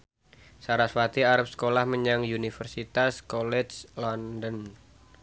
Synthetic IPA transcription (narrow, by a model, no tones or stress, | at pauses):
saɾasfat̪iaɾap̚sə̥kolahməɲaŋjunifərsit̪askɔlɛt͡ʃlɔndən